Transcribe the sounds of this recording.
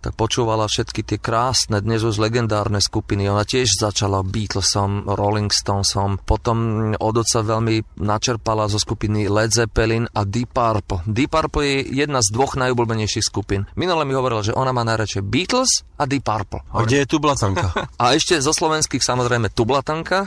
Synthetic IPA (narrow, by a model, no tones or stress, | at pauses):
t̪a̰k̚pɔt͡ʃuːʋalafʃɛt̪kit̪ɪɛkɾaːsnɛd̪ɲɛzuʒlɛɡɛnd̪aːɾnɛskupiniɔnacɪɛʒzat͡ʃalabiːt̪l̩sɔmɾɔliŋkst̪ɔnsɔmpɔt̪ɔmɔd̪ɔsaʋɛʎminat͡ʃɛɾpalazɔskupinilɛd͡zɛpɛlinad̪ipaɾpl̩d̪ipaɾpl̩jɛjɛd̪nazd̪ʋɔɣnajublbɛɲɛjʃixskupinminulɛmiɦɔʋɔɾilaʒɛʔɔnamaːnajɾat͡ʃɛbiːt̪l̩s | ad̪ipaɾplaɡɟɛjɛt̪ublat̪aŋkaaɛʃcɛzɔslɔʋɛnskixsamɔzɾɛjmɛt̪ublat̪aŋka